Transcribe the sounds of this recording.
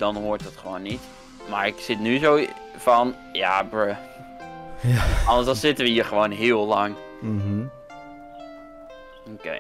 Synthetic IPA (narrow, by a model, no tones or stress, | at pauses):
d̥ɔnɦoːɹtətχəʋoːnːit | maːɹɪksɪtnyzoː | fɔn | ja̰bɹə | ɑəsɔlˠsɪtəʋəhiːɹχəʋoːnɦɪəlˠlɑŋ | m̩ | okḛɪ